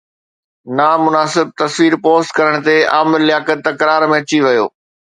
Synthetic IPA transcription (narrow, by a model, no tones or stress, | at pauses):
namʊnaːsɪb̚t̪ɐsʋiːɾpoːst̪kɐɾəɽ̃t̪eaːmɪllɪjaːkət̪ːɐkɾaːɾmẽɐt͡ɕiʋɐjo̰ː